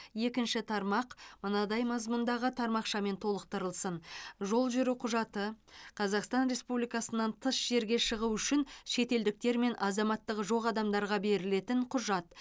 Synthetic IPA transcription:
je̞kʲɪnʃɪt̪ʰɑɾmɑqmənɑd̪ɑjmɑzmʊnd̪ɑʁət̪ʰɑɾmɑqʃɑme̞nt̪ʰo̞lˠəq̚t̪əɾəlˠsənʒo̞lˠʒʏɾuqʰʊʒɑt̪əqʰɑzɑqst̪ɑnɾe̞spublijkɑsənːɑnt̪ʰəsʒ̥e̞ɾɡʲe̞ʃəʁuʏʃɪnʃe̞t̪e̞ld̪ɪk̚t̪e̞ɾme̞nʔɑzɑmɑt̪ːəqʒo̞ʁɑd̪ɑmd̪ɑɾʁɑbe̞ɾɪle̞t̪ɪɴqʰʊʒɑt̪

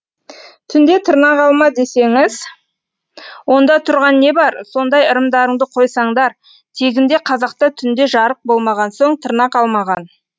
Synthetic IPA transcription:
t̪ʰʏnd̪e̞t̪ʰəɾnɑqɑlˠmɑd̪ese̞ŋɪz | wo̞nd̪ɑt̪ʰʊɾʁɑnːe̞bɑɾso̞nd̪ɑjəɾəmd̪ɑɾəɴd̪əqʰo̞jsɑɴd̪ɑɾ | t̪ʰe̞ɡʲɪnd̪e̞qʰɑzɑq̚t̪ɑt̪ʰʏnd̪e̞ʒɑɾəq̚bo̞lˠmɑʁɑnso̞ɴt̪ʰəɾnɑqɑlˠmɑʁɑn

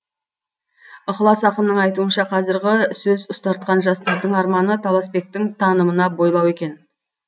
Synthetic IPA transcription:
ʊχlˠɑsɑqəmnəɴɑjt̪uənʃɑqʰɑzɪɾɡʲɪsɵzʊst̪ɑɾt̪̚qɑnʒɑst̪ɑɾd̪əɴɑɾmɑnət̪ʰɑlˠɑsbe̞k̚t̪ɪŋt̪ʰɑnəmənɑbo̞jlˠɑwe̞kʲe̞n

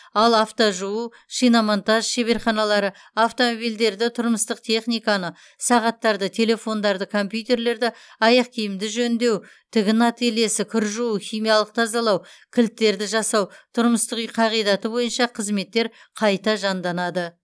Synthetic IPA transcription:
ɑlˠaft̪oʒuu | ʃijnɑmont̪aʒʃeβe̞ɾχɑnɑlˠɑɾə | aft̪o̞mobild̪e̞ɾd̪ɪt̪ʰʊɾməst̪əqt̪ʰe̞χnijkanə | sɑʁɑt̪ːɑɾd̪ət̪ʰe̞le̞fo̞nd̪ɑɾd̪əkʰo̞mpʲjut̪e̞ɾle̞ɾd̪ɪ | ɑjɑq̚kʲʰijɪmd̪ɪʒɵnd̪e̞w | t̪ʰɪɡʲɪnɑt̪ele̞sɪkʲʰʏɾʒuwuχʲijmijɑlˠəq̚t̪ʰɑzɑlˠɑwkʲʰɪlt̪ːe̞ɾd̪ɪʒɑsɑwt̪ʰʊɾməst̪əqijqʰɑʁijd̪ɑt̪əbo̞jənʃɑqʰəzme̞t̪ːe̞ɾ | qʰɑjt̪ɑʒɑnd̪ɑnɑd̪ə

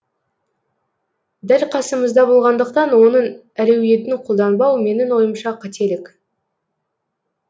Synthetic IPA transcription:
d̪ælqʰɑsəməzd̪ɑbo̞lˠʁɑnd̪əqt̪ɑnwo̞nəɴ | æɾewje̞t̪ɪŋqʰolˠd̪ɑnbɑwme̞nɪnwo̞jəmʃɑqʰɑt̪ʰe̞lɪk

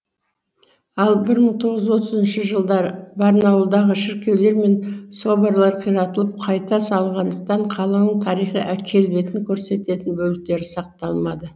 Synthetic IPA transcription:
ɑlˠbɪɾməɴt̪ʰo̞ʁəzwo̞t̪əzɪnʃəʒəlˠd̪ɑɾəbɑɾnɑwəlˠd̪ɑʁəʃɪɾkʲe̞wle̞ɾme̞nso̞bəɾlˠɑɾqʰijɾɑt̪əlˠəp̚qʰɑjt̪ɑsɑlˠʁɑnd̪əq̚t̪ɑɴqʰɑlˠənəɴt̪ʰɑɾijχəʔæɾkʲʰe̞lbe̞t̪ɪŋkʲʰɵɾse̞t̪e̞t̪ɪnbɵlɪk̚t̪e̞ɾɪsɑq̚t̪ɑlˠmɑd̪ə

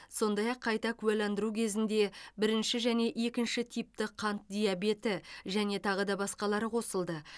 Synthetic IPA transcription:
so̞nd̪ɑjɑqʰːɑjt̪ɑkʲʰʉælɑnd̪əɾukʲʰe̞zɪnd̪e̞bɪɾɪnʃɪʒæne̞ʔekʲɪnʃɪt̪ʰijp̚t̪ɪqʰɑnt̪̚d̪ʲijabe̞t̪ɪʒæne̞t̪ʰɑʁəd̪ɑbɑsqɑlˠɑɾəqʰo̞səlˠd̪ə

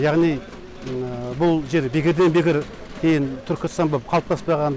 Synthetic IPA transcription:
jɑʁnij | bʊlˠʒe̞ɾbekʲɪɾd̪enbekʲɪɾ | kʲʰejɪnt̪ʰʏɾkʲɪst̪ɑnbop̚qʰɑlˠp̚t̪ʰɑspɑʁɑn

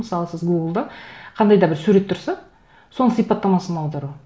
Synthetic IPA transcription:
məsɑlˠəsəzɡuɡəlˠd̪ɑqʰɑnd̪ɑjd̪ɑbɪɾsʉɾe̞t̪ʰːʊɾsɑ | so̞nəsijpɑt̪ːɑmɑsənɑwd̪ɑɾu

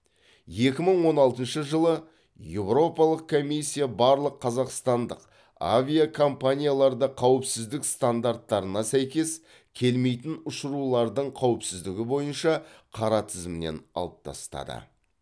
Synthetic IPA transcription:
je̞kʲɪməɴwo̞nɑlˠt̪ənʃəʒəlˠə | je̞wɾo̞pɑlˠəq̚kʰo̞mijsʲːijabɑɾlˠəqʰːɑzɑqst̪ɑnd̪əq | a̰vʲijakʰo̞mpanʲijalˠɑɾd̪ɑqʰɑwəpsɪzd̪ɪkst̪and̪aɾt̪ːɑɾənɑsæjkʲe̞s | kʲʰe̞lme̞jt̪ɪnʊʃəɾulˠɑɾd̪əɴqʰɑwɪpsɪzd̪ɪɡʲɪbo̞jənʃɑqʰɑɾɑt̪ʰɪzmɪnḛnɑ̰lˠəp̚t̪ʰɑ̰st̪ɑ̰d̪ə̰

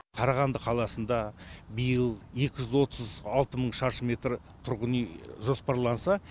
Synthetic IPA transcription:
qʰɑɾɑʁɑnd̪əqʰɑlˠɑsənd̪ɑbəjəlˠje̞kʲɪʒʏzwo̞t̪əzɑlˠt̪əməɴʃɑɾʃəme̞t̪ɾ | t̪ʰʊɾʁənijʒo̞spɑɾlˠɑnsɑ

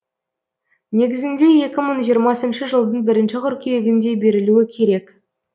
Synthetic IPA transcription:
ne̞ɡʲɪzɪnd̪e̞je̞kʲɪməɴʒijəɾmɑsənʃəʒəlˠd̪əɴbɪɾɪnʃɪqʰʏɾkʲijeɡʲɪnd̪e̞be̞ɾɪluɪkʲʰe̞ɾe̞k

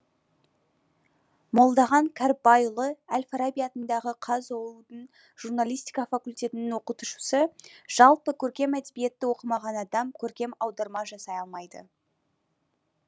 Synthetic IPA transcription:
mo̞lˠd̪ɑʁɑŋkʲʰaɾbɑjlˠəælʲfaɾabʲijat̪ənd̪ɑʁəqʰɑzolˠud̪ən | ʒ̥urnalʲijst̪i̥jkɑfakulʲt̪ʲe̞t̪ɪnɪŋwo̞qət̪uʃə̥səʒ̥ɑlˠpəkʲʰɵɾkʲe̞mæd̪bijet̪ːɪwo̞qəmɑʁɑnɑd̪ɑmkʲʰɵɾkʲe̞mɑwd̪ɑɾmɑʒɑsɑjɑlˠmɑjd̪ə̰

